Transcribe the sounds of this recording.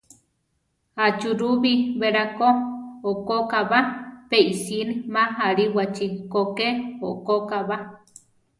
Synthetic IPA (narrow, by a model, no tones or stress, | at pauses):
hat͡ʃuɾuβiβeɾakooʔkokaβapeisinimaɦaɾiwat͡ʃikokeoʔkokaβa